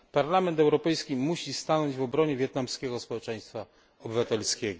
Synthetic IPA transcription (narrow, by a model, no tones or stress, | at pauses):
paɾlamɛnt̪ɛwɾɔpɛjskʲimuɕist̪anɔɲd͡ʑvɔbɾɔɲɛvʲjɛt̪̚namskʲɛɡɔspɔwɛt͡ʂɛ̃j̃st̪fa | ɔbɘvat̪ɛlskʲɛɡɔ